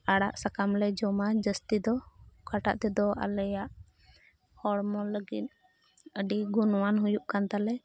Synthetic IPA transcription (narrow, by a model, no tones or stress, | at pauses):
aɽaʔsakamlɛd͡ʒɔmad͡ʒəst̪id̪ɔkaʈa̰ʔt̪ɛd̪ɔa̰lɛjaʔ | hɔɽmɔləɡit̪̚ | əɖiɡunwanɦujuʔkant̪alɛ